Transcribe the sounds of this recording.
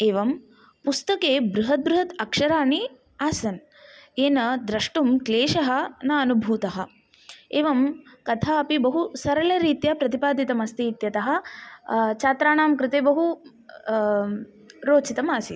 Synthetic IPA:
eːʋɐm | pust̪ɐkeːbɾuɦɐt̪̚bɾuɦɐt̪ɐkʂɐɾaːni | aːsɐn | eːnɐd̪ɾɐʂʈumkleːʃɐɦɐ̆nɐɐnubʱuːt̪ɐɦɐ̆ | eːʋɐmkɐt̪ʰaːɐpibɐɦusɐɾɐlɐɾiːt̪jɐpɾɐt̪ipaːd̪it̪ɐmɐst̪iːt̪jɐt̪ɐɦɐ̆ | t͡ʃaːt̪ɾaːɳaːmkɾɪt̪eːbɐɦu | ɾoːt͡ʃit̪ɐmaːsi

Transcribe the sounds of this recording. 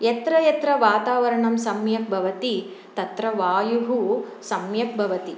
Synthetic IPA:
jɐt̪ɾɐjɐt̪ɾɐʋaːt̪aːʋɐɾɐɳɐmsɐmjɐk̚bʱɐʋɐt̪i | t̪ɐt̪ɾɐʋaːjuɦusɐmjɐk̚bʱɐʋɐt̪i

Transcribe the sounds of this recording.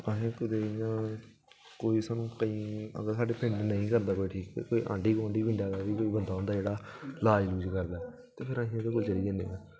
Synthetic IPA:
ə̃ɦẽːkʊd̪eːjãː | koːiːsaːnũːkəĩːə̰ɡəɾsaːɖeːpʰɪ̃ɳɖnəĩːkəɾd̪aːkoːiːʈʰiːkːekoːiːʔã̰ːɳɖiːkoãːɳɖiːbɪ̃ɳɖaːd̪aːʋiːkoːiːbənd̪aːõːnd̪aːd͡ʒeːɽaːlaːɪluːd͡ʒkəɾd̪aː | t̪eːpʰɪɾãːɦĩːd̪eːk̬oːlt͡ʃəliːd̪eːnḛːaː

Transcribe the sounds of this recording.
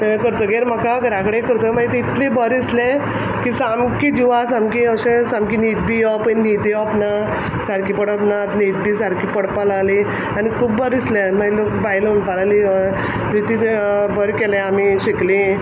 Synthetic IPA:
kəɾt̪əɡeɾm̤əkaɡəɾãkəɽekəɾt̪əmaɡit̪it̪lebəɾisle | kisamkid͡ʑiʋasamkiəsẽsamkinid̪̚bijɔpənid̪iɔpna | saɽkipəɽapnat̪nid̪̚bisaɽkipəɽpalali | anikʰuːbːəɾislemailokbajluɳpalali | ɾit̪it̪bəɾkɛlɛ̃amiɕeklĩ

